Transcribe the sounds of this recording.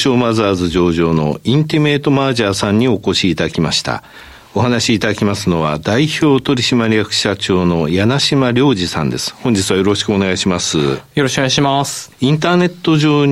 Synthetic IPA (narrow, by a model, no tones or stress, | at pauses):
ɕo̞ːmazaːzɨʑd͡ʑo̞ːʑo̞ːno̞̰ĩnt̪eme̞ːt̪o̞maːʑaːsãɲ̟ːio̞ko̞ɕiːt̪ad̪akʲimaɕi̥t̪a̰ | o̞ɦanaɕiːt̪ad̪akʲimasɨno̞βa̰d̪aiçʲo̞ːt̪o̞ɾʲiɕimaɾʲijakɯ̟̥ɕat͡ɕo̞ːno̞janaɕimaɾʲo̞ːʑisã̰nd̪e̞sɨ̥hõ̞ɲ̟d͡ʑit͡sɨβajo̞ɾo̞ɕi̥kɯo̞ne̞ɡaiɕimasɨ̰joɾoɕkoaɕimasĩnt̪̬aːne̞t̪ːo̞ʑo̞ː